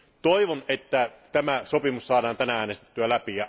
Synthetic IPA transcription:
t̪oiʋonet̪ːæt̪æmæsopimussɑːdɑːnt̪ænææːnest̪et̪ːyælæpijɑ

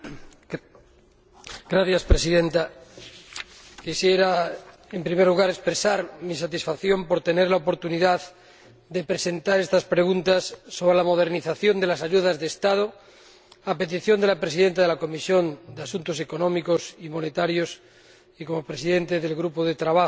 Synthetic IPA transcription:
ɡ̥ɾaθjaspɾesiðent̪a | kisjeɾa | empɾime̞ɾluɣ̞aɾe̞kspɾesaɾmis̬at̪isfaθjo̞mpo̞ɾt̪e̞ne̞ɾlaopo̞ɾt̪uniðað | d̪e̞pɾese̞nt̪aɾe̞st̪aspɾe̞ɣunt̪asːo̞β̞ɾelamo̞ð̞eɾniθaθjo̞nd̪e̞lasaʎuð̞azðeːst̪að̞o | ape̞t̪̬iθjo̞nd̪elapɾe̞siðe̞nt̪aðe̞lako̞misjo̞nd̪easunt̪o̞sekonõ̞miko̞simo̞net̪aɾjo̞s | iko̞mo̞pɾesiðe̞nt̪eðe̞lɣɾupoðet̪ɾaβa

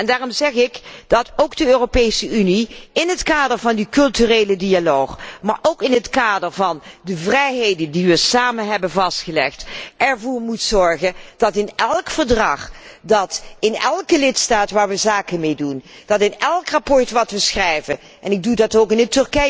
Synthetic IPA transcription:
ɛndaːrɔmzɛχɪkd̥ɑtowɡdəøːropejsəyniɪnɦətkaːdəɹvɑndikɵlˠtyreːlədialoːχmaːɹʔowkɪnɦətkaːdəɹvɑndəvrɛjɦejdəndiʋəsaːmənɦɛbənvɑstχəlɛχtɛɹvʊːɹmutsɔɹχənd̥ɑtɪnɛlˠkfəɹdrɑχdɑtɪnɛlˠkəlɪtstaːtʋaːɹʋəzaːkəmejdund̥ɑtɪnɛlˠkrapɔɹtʋɑtʋəsxrɛjvə | ʔɛnɪɡ̚dudɑtowkɪnətɵɹkɛ

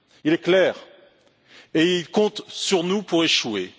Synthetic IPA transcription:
ilɛklɛːʁ | eilkɔ̃t̪syʁnupuʁeʃwe

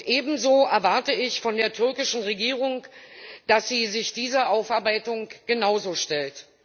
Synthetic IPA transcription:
ʔeːbm̩zoːʔɛɐvaɐtəɪçfɔndeːɐtʰʏɐkɪʃn̩ʁeɡiːʁ̞ʊŋd̥asz̥iːzɪçd̥iːzɐʔaʊfaɐbaɪtʊŋɡ̥ənaʊzoːʃtɛlt

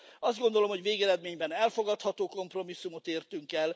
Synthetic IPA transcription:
ɒzd̪ɡo̞nd̪olo̞mho̞ɟveːɡɛɾɛd̪meːɲbɛnɛlfo̞ɡɒt̪hɒt̪oːko̞mpro̞misːumo̞t̪eːrt̪yŋkɛl

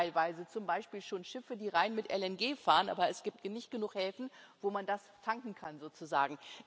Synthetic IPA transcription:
ɪlvaɪzət͡sʊmbaɪʃpiːlʃoːnʃɪfədiːʁaɪnmɪtʔɛlɛnɡeːfaːʁənʔa̰ːbɐɛsɡ̥iːp̚tnɪçt̚ɡ̥ənuːχhɛlfn̩voːmandastʰaŋkŋ̩kʰanzoːt͡suza̰ːɡŋ̩

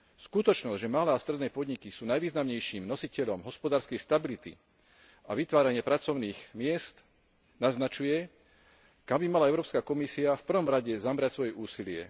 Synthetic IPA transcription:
skut̪ɔt͡ʃnɔzʒɛmalɛːast̪ɾɛd̪nɛːpɔd̪ɲikisuːnajʋiːznamɲɛjʃiːmnɔsicɛʎɔmɦɔspɔd̪aːɾskɛjst̪abilit̪ḭ | a̰ʋit̪ʋaːɾaɲɪɛpɾat͡sɔʊniːɣmɪɛst̪ | naznat͡ʃujɛ | kambimalaɛʊɾɔːpskakɔmisiafpr̩ʋɔmɾaɟɛzamɾacsʋɔjɛʔuːsilɪɛ̰

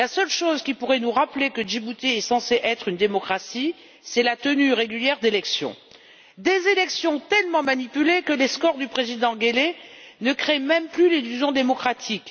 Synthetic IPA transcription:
lasœlʃozkʲipuʁɛnuʁaplekəʒibut̪eɛsɑ̃seʔɛt̪χynd̪emɔkχasi | sɛlat̪ənyʁeɡʲyljɛʁd̪elɛksjɔ̰̃ | d̪ezelɛksjɔ̃t̪ɛlmɑ̃manipylekəleskɔʁd̪ypχezid̪ɑ̃ɡelenəkχemɛmplylilyzjɔ̃d̪emɔkχat̪ʰik

